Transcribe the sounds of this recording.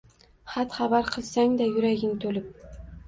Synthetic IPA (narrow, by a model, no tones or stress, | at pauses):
χat̪χaβaɾqʰɨlˠsaŋd̪ajɵɾæɡʲɪŋt̪ʰɵlɪp̚